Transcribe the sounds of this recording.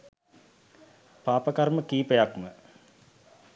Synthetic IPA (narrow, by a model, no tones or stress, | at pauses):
paːpəkarməkiːpəjakmə